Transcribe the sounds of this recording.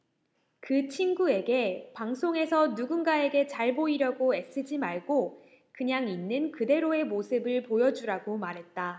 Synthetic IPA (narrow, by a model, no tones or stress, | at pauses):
kɯt͡ɕʰinɡue̞ɡe̞paŋsʰoŋe̞sʰʌnuɡunɡae̞ɡe̞t͡ɕaɭboiɾjʌɡoes͈ɯd͡ʑimaɭɡo | kɯɲaŋinːɯnkɯde̞ɾoe̞mosʰɯbɯɭpojʌd͡ʑuɾaɡomaɾɦe̞t̚t͈a